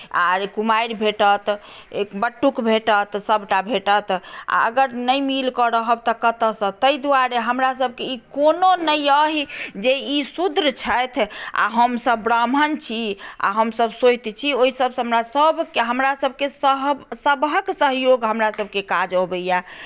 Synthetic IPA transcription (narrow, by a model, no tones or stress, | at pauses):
a̰ɾkumaiɾbʱeʈət̪ | ekbəʈːukbʱeʈət̪səbʱʈabʱeʈət̪a̰əɡəɾnəjmilkəɾəɦəbt̪ɔkət̪əsə̃t̪əid̪uaɾeɦəmɾasəb̚ʱkeikononəjəɦid͡ʒeisud̪ɾət͡ʃʰəjt̪ʰa̰ɦəmsəbːɾamənt͡ʃʰia̰ɦəmsəbsot͡ʃt̪t͡ʃʰioisəbsɦəmɾasəbkeɦəmɾasəbʱkesəɦbsəbəksəɦjoɡɦəmɾasəbkekad͡ʒəbəja